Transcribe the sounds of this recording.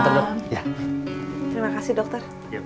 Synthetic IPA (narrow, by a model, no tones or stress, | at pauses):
t̪əaa | t̪əɾimakasidɔk̚t̪ɔr